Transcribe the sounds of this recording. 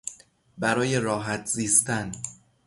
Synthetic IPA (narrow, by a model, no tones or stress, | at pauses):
bæɾɒːje̞ɾɒːɦæt̪ʰziːst̪æn